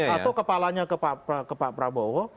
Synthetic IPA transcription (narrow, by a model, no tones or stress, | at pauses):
at̪awkəpalaɲakəpaʔpakəpaʔpɾabɔwɔ